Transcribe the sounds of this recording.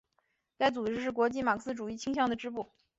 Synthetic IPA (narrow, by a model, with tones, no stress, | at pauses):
t͡sa˥˩ɪt͡su˨˩ʈ͡ʂɻ̩˥˧ʂ̬ɻ̩˥˩kwɔ˧˥t͡ɕi˥ma˨˩kʰə˧˥sɹ̩˥˧ʈ͡ʂu˨˩i˥˩t͡ɕʰi˥ŋɕjɑ˥˩ŋd̪ə˩ʈ͡ʂɻ̩˥pu˥˩